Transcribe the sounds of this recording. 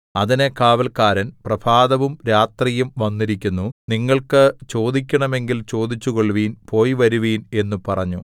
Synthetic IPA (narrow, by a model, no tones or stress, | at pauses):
ɐðine̞kaːʋɐlkaːɾɐnprɐbʰʱaːd̪ɐʋumɾaːt̪rijumʋɐnːiɾikʲːunːuniŋːɐɭkɨt͡ɕo̞ːd̪ik̬ʲːɐɳɐme̞ŋɡilt͡ɕo̞ːd̪it͡ɕːuko̞ɭʋiːnpo̞ːjiʋɐɾuʋiːne̞nːupɐrɐ̰ɲːu